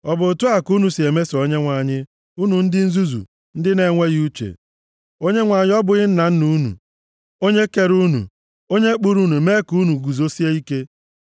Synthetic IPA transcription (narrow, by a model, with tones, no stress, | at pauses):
ɔ˨bʊ˨tu˦a˨ku˦nu˨si˨e˨me˦si˨o˦ɲe˦ŋʷa˨ɲɪ˦ | u˦nu˨n̩˦dɪ˦n̩˦zu˦zṵ˨ | n̩˦dɪ˦ne˨˦ŋʷe˦ɣu˦t͡ʃḛ˨ | o˦ɲe˦ŋʷa˨ɲɪ˦ɔ˦bʊ˨ɣɪ˦n̩˦na˨n̩˦nu˦nṵ˨ | o˦ɲe˦ke˨ɾu˦nṵ˨ | o˦ɲe˦k͡pu˦ɾu˦nu˨me˦ku˦nu˨ɡu˨zo˦si˦e˦i˦ke˦